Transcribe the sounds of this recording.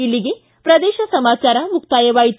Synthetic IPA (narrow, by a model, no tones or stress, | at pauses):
ilːiɡe | pɾɐd̪eːʃɐsɐmaːt͡ʃaːɾɐmukt̪aːjɐʋaːjit̪